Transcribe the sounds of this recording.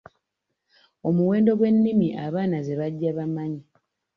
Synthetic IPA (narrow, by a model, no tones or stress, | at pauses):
o̞muwe̞ːndo̞ɡwe̞nːimiʔaβaːnazeβaɟːaβamaɲi